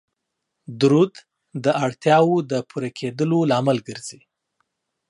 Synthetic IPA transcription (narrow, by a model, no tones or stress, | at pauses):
d̪ɾud̪ | d̪əʔaɽt̪jɑwod̪əpʰuɾakʰed̪əlolɑməlɡəɾzi